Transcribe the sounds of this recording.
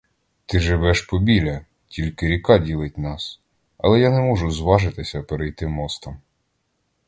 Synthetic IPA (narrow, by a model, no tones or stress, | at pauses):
t̪ɪʒɪʋɛʃpɔbʲilʲɐ | tʲilʲkɪɾʲikɑdʲilˠɪt̚ʲnɑs | ɐ̰lˠɛjanɛmɔʒʊzʋɑʒɪt̪ɪsʲɐpeɾejt̪ɪmɔst̪ɐm